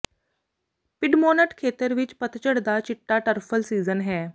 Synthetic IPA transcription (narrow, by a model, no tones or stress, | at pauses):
pɪɖmoːnəʈkʰeːt̪əɾʋɪt͡ʃpət̪t͡ʃəɽd̪at͡ʃɪʈːaʈəɾpʰəlsiːzənɦɛː